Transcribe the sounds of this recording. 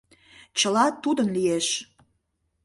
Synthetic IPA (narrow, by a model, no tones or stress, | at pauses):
t͡ɕəlɑt̪ud̪ənlieʃ